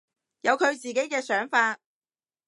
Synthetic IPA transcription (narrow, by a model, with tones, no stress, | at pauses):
jɐ˨˧wkʰɵ˨˧ɥt͡siː˨˩ke˨˥jkɛː˧sœː˨˥ŋfaː˧t̚